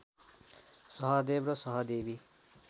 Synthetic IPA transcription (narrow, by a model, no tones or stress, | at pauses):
sʌɦʌd̪ebrʌsʌɦʌd̪ebi